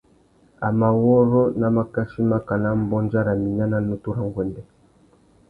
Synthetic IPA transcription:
a˨ma˨wɔ˦ɾɔ˦na˨ma˨ka˦ʃi˦ma˦ka˨na˦m˦bɔ˦nd͡ʒa˦ɾa˨mi˨na˦na˨nu˦tu˦ɾa˨ŋɡwɛ˨ndɛ˨

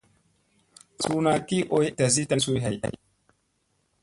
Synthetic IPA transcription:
su˦na˨ki˦ʔo˦jta˨zi˦ta˦nsu˦jɦa˨jʔa̰˨j

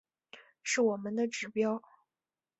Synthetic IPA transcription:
ʂɻ̩˥˩wɔ˨˩mə˦nd̪ə˨ʈ͡ʂɻ̩˨˩pjɑ˥ʊ

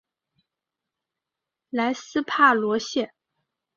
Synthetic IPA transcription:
la˧˥ɪsɹ̩˥pʰa˥˩lwɔ˧˥ɕjɛ˥˩

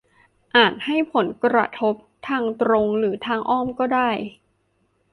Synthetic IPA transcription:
ʔaː˨˩t̪̚ha˥˩jpʰo˩˦nkɾa̰˧t̪ʰo˦˥p̚t̪ʰaː˧ŋt̪ɾo˧ŋɾɯː˩˦t̪ʰaː˧ŋʔɔː˥˩mkɔː˥˩daː˥˩j

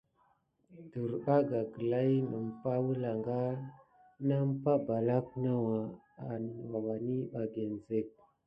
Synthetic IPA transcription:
du˨ɾɓa˦ɡa˨ɡə˨la˦jnə˨m˨pa˦wu˦la˨ŋɡa˦ | na˦m˦pa˦ba˨la˦kna˦wa˨ | a˨n˨wa˨wa˨ni˦ɓa˨ɡe˨n˨ze˦˨k̚

